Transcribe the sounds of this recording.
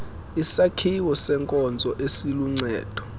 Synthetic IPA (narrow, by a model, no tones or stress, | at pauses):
isakʰiwɔsɛŋkʼɔnd͡zʱɔʔesiluŋ͡ǀɛ̰ːd̥ʱɔ̥